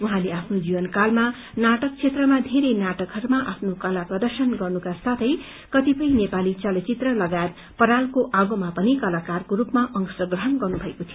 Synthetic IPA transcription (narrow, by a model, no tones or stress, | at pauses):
uɦãleapʰnod͡zibʌnkalma | naʈʌk̚t͡sʰet̪rʌmad̪ʱeɾejnaʈʌkɦʌɾumaʔapʰnokʌlaprʌd̪ʌrsʌnɡʌrnukasat̪ʰʌj | kʌt̪ipʌĩnepalit͡sʌlʌt͡sit̪rʌlʌɡaet̪ | pʌɾalkoʔaɡomapʌnikʌlakarkoɾupmaʔʌŋksʌɡrʌɦʌnɡʌrnubʱʌekot̪ʰij